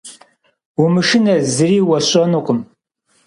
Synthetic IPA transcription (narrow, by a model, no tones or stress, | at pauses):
umɨʃɪnɐzɨɾiːwɐɕʼɐnuqʊm